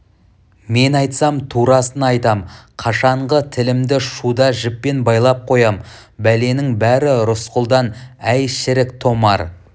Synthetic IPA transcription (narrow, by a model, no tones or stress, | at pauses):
me̞nɑjt̪sɑmt̪ʰuɾɑsənɑjt̪ɑmqʰɑʃɑɴʁət̪ʰɪlɪmd̪ɪʃud̪ɑʒɪpːe̞nbɑjlˠɑp̚qʰo̞jɑm | bæle̞nɪŋbæɾɪɾʊsqəlˠd̪ɑnæjʃɪɾɪkt̪ʰo̞mɑ̰ɾ